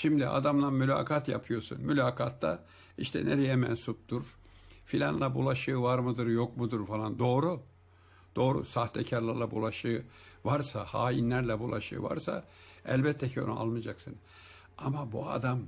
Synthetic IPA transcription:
ʃimd̪iʔa̰d̪amlˠanmylʲa̰ːkʰat̪ja̰pʰɯjo̞sṵnmylʲaːkʰat̪ːa̰ | iʃt̪ʰɛ̰neɾɛjɛmɛnsup̚t̪uɾ̥ | filʲanlˠabulˠaʃɯːvaɾmɯd̪ɯɾjok̚mud̪uɾfalˠand̪o̞ːɾu | d̪̥o̞ːɾṵsaht̪ʰɛcʰaɾlˠaɾlˠabṵlˠaʃɯːvaɾsahaːjinlʲæɾlʲɛbulˠaʃɯ̰ːva̰ɾsa̰ | ɛlʲbɛt̪ʰːɛcʰio̞nua̰lˠmɯd͡ʒaksɯn | amabua̰d̪am

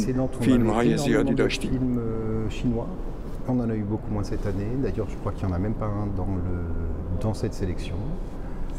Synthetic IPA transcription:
sed̪ɑ̃t̪ɔ̃filmʁaɛzd̪ɔʃfilmøʃinwa | ɔ̃nɑ̃naybokumwɛ̃sɛt̪aned̪ajœʁʒəkχwakiljɑ̃namɛmpaɛ̃d̪ɑ̃ləd̪ɑ̃sɛt̪selɛksjɔ̃

